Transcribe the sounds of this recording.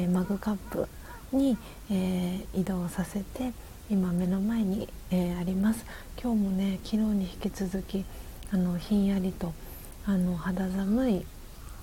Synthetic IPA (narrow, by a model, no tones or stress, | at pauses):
maɡɯ̟kapːɯ̰ | ɲ̟iː | id̪o̞ːsase̞t̪e̞ | imame̞no̞mae̞ɲ̟i | eaɾʲimasɨ̥ | kʲo̞ːmo̞ne̞kʲiɾo̞ːɲ̟içi̥kʲit͡sɨzɨkʲi | ano̞çĩɰ̃jaɾʲit̪o̞ | ano̞had̪azamɯ̟i